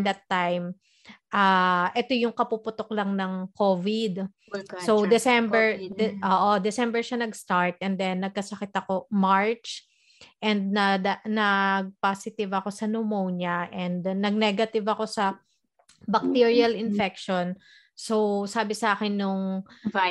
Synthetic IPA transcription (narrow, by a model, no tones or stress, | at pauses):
d̪ɐt̪ːajm | ʔaːʔɛt̪o̞jʊŋkɐpupʊt̪ok̚lɐŋnɐŋkoːvɪd̪ | sowd̪ɛsɛmbɛɹd̪ʔoːʔod̪ɛsɛmbɛɹʃanɐɡst̪aɹt̪̚ʔɛnd̪ɛnːɐɡ̚kɐsɐkɪt̪ɐko̞maɹt͡ʃ | ʔɛnd̪̚nɐd̪ɐnɐɡ̚paːsɪt̪ɪvɐko̞sɐnomownjɐʔɛnd̪nɐɡ̚nɛɡɐt̪ɪvɐko̞sɐ | bɐk̚t̪iɹiɐlɪnfɛk̚ʃon | sowsaːbɪsʔaːkɪnːʊŋ